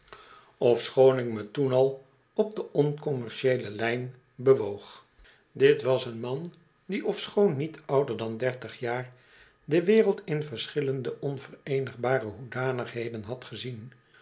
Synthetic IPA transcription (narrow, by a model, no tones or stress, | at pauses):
ɔfsχownɪkmətunɑlˠ | ɔb̚dəʔɔnkɔmɛɹʃejləlɛjn | bəʋowχ | dɪtʋɑsənmɑn | diʔɔfsχownːitʌwdəɹdɑndɛɹtəχjaːr | dəʋɪːrəlˠtɪnvəɹsχɪləndəʔɔnvərejnəχbaːrəɦudaːnəχɦejdənɦɑtχəzin